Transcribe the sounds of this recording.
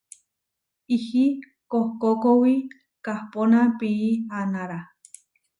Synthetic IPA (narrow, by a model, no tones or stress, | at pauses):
ihi | kohkokowi | kahponapiːanaɾa